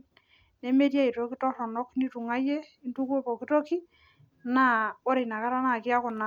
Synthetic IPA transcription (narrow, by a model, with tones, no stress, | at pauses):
nɛ˨me˦tja˦i˨to˦ki˦tɔ˦sɔ˨nɔ˦kni˦tu˨ŋa˦jɛ˦i˦ntu˦ko˦pɔ˨ki˦to˦ki˦ | na˦˨wɔ˦ɾe˨na˨ka˦ɾa˦na˨kɪ˦a˦kʊ˨na˨